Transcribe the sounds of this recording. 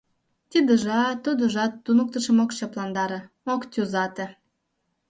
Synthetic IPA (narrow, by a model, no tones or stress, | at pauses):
t̪ʲid̪ə̆ʒɑt̪ːud̪əʒɑt̪ːunək̚t̪ə̆ʃə̆mokt͡ɕɑplɑnd̪ɑɾə̆ | okt̪ʲuzɑt̪ĕ